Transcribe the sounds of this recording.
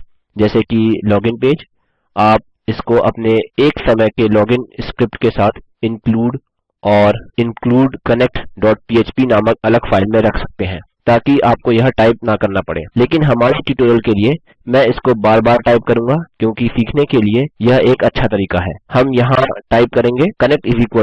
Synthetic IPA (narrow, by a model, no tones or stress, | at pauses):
d͡ʒɛːsekilɔːɡɪ̃npeːd͡ʒ | aːp̚ | ɪskoʔɐpneeːksɐməjkelɔːɡɪ̃nskɾɪpʈkesaːt̪ʰ | ɪ̃nkluːɖ | ɔːɾɪ̃nkluːɖkɐnek̚ʈɖɔːʈ̚piːeːt͡ʃpinaːmək̚ɐləɡfaːɪlmẽɾɐkʰsɐ̥k̚t̪eɦɛ̃ː | t̪aːkiaːp̚kojɐɦʈaːɪp̚nakɐɾnapɐ̰ɽḛːleːkɪnɦɐmaːɾiʈiːʈoːɾəlkelie | mɛ̃ːɪskobaːɾbaːɾʈaːɪp̚kɐɾũːŋɡakjõːkisiːkʰnekeliejɐɦeːkɐtːʃʰat̪ɐɾiːkaɦɛ̰ːhɐmjɐɦãʈaːɪp̚kɐɾẽːŋɡekɐnɛk̚ʈɪziːkwə